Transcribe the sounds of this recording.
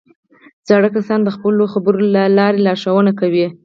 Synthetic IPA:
d͡zɑɽəkasɑnd̪əxpəloxabəɾolalɑɾelɑʂawənakawi

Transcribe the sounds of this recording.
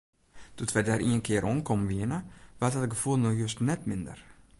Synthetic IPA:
tutʋɛdɛɾiənkʰɪːəɾʔɔnkʰɔmʋiənəʋatatəɡəfulˠnɔxjøstnɛtmɪndə̰r

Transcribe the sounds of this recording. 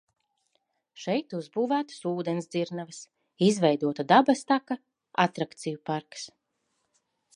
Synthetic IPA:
ʃɛjt̪uzbuːvæːt̪ɨ̥suːd̪ɛnsd̪ziɾnavɨs | izvɛjd̪uɔt̪ad̪abast̪aka | at̪ɾakt̪sijupaɾks

